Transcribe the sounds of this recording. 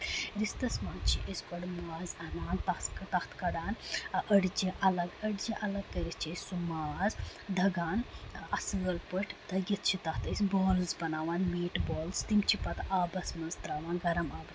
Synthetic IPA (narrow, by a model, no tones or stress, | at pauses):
ɾist̪ɐsmaːnt͡ʃʰiʔɐsʲkoɽmaːzɐnaːnt̪ɐt̪kʈɐht̪ʰkɐɽaːnɐɽd͡ʒiʔɐlɐɡɐɽd͡ʒiʔɐlɐɡ̚kɐɾist͡ʃʰisumaːzd̪ʱɐɡaːnɐsɨlpəʈʲʰd̪̥ʱɐɡɐt̪̚ʰt͡ʃʰit̪ɐht̪ɐsʲboːlzbɐnaːʋaːnmiːʈboːlst̪imt͡ʃʰipɐt̪ʔaːbɐsmɐnzt̪ɾaːʋaːnɡɐɾɐmaːbɐs